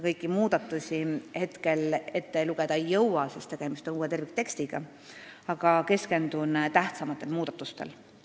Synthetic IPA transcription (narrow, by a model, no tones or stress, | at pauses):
kɤ̞jkːˑimuːd̪̥ɑt̪ːˑusʲihe̞t̪ke̞le̞t̪ːe̞luɡ̥ed̪̥ɑejːɤwwɑsest̪e̞ɡ̥emist̪o̞nuːet̪e̞rvik̚t̪e̞kst̪iɡ̥ɑ | ɑɡ̥ɑke̞ske̞nd̪unt̪æht̪sɑmɑt̪ːˑelmuːd̪̥ɑt̪ːˑust̪e̞̰l